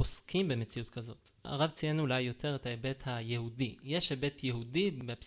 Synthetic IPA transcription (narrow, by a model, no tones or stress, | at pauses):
oskʰimbe̞met͡siutkazo̞ta̰ʁavt͡sienulajːo̞tʰe̞ʁethaebe̞thajehudijeʃhebe̞tʰjeɦudibep